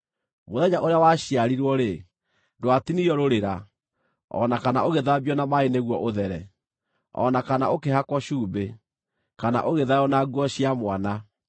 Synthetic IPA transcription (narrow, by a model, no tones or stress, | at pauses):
moðɛɲaʔoɾeawaɕiaɾiɾwɔɾe | dwatinijɔɾoɾeɾa | ɔ̰nakana̰oɣeðaβijɔnamaeneɣwɔʔoðɛɾɛ | ɔ̰nakanaʔokeɦakwɔʃuːbe | kana̰ʔoɣeðajɔnaɡwɔɕiamwana